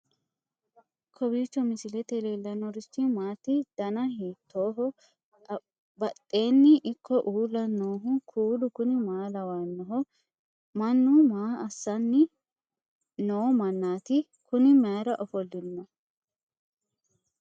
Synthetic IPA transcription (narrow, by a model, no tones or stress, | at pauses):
kʰɔbiːt͡ʃːɔmɪsɪlɛt̪eleːlːɐnɔɾɪst̪ːɪmaːt̪ːɪd̪̥ɐnɐhiːt̪ːoːɦɔ | bɐt̪ʼːe̞ːnːɪʔɪkːɔʔuːlːɐnoːɦʊkʰuːlʊkʊnɪmaːlɐwaːnːɔɦɔ | mɐnːumaːɐsːɐnːɪ | noːmɐnːaːt̪ɪ | kʊnɪmaːɾɐʔɔfɔlːɪnːɐ